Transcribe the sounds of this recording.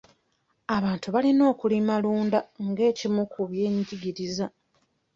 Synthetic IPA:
aβaːntuβalino̞ːkulimaluːndaŋɡe̞ːcimukuβje̞ːɲɟiɡiɾiza

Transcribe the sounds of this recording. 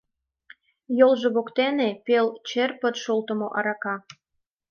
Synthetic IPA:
jolʒeβokt̪enepelt͡ɕerpə̆t̪ʃolt̪ə̆moʔɑɾɑkɑ

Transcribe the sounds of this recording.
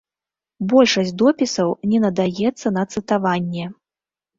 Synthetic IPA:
bɔlʲʂɐsʲd̪ɔpʲisɐwnʲɛnɐd̪ajɛt̪sːɐnɐt̪sɨt̪avanʲːɛ

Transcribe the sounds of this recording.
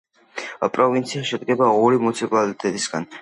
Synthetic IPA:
pʼɾɔvint̪sʰiaʃɛd̪ɡɛbauɾimut̪sʰipʼalit̪ʼɛt̪ʼisɡa̰n

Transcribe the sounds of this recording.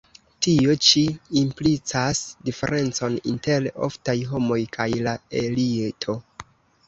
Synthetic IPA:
tio̞t͡ʃiːmplit͡sasdife̞̰ɾʔe̞nt͡so̞ninte̞lo̞̰ftajɦo̞mo̞jkʰajlaelietʰo̞

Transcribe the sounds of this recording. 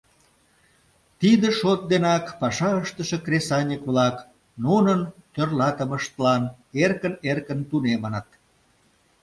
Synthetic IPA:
t̪id̪əʃot̪̚d̪enɑkpɑʃɑəʃt̪əʃĕkresɑnʲikβlɑk | nunənt̪ørlɑt̪əməʃt̪lɑn | erkənerkənt̪unemənət̪̚

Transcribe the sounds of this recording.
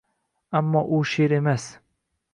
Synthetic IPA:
amːɒʔʊʃeɾe̞mas

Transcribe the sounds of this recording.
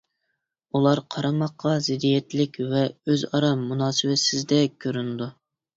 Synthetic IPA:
ulˠɑɾqʰɑɾɑmɑqʰːɑzɪd̪ijɛt̪lɪkʲvɛøzɑɾɑmunɑːsɪwɛsɪzd̪ɛkʲʰøɾynd̪u

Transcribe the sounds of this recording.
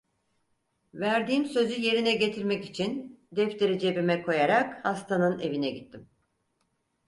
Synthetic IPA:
væɾd̪iːmsø̞zyje̞ɾinɛɟe̞t̪ʰiɾmɛcit͡ʃʰind̪ɛft̪ʰe̞ɾid͡ʒe̞bimɛkʰo̞jaɾakhast̪ʰanɯne̞vinɛɟit̪ʰːim

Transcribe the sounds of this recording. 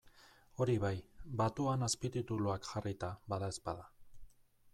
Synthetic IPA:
o̞ɾiβajbat̪uanaspit̪it̪uluakʝarit̪aβaðae̞spaða

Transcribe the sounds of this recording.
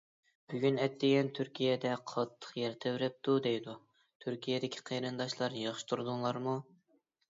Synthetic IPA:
b̥yɡʲynɛt̪ːɪɡʲɛnt̪ʰyɾkʲʰijɛd̪ɛqʰɑt̪ʰːə̥qjɛɾt̪ʰewɾɛp̚t̪ʰud̪ejd̪u | t̪ʰyɾkʲʰijɛd̪ɪkʲʰi̥qʰeɾɨnd̪ɑʃlˠɑɾjɑχʃɪ̥t̪ʰuɾɨd̪uŋlˠɑɾmu

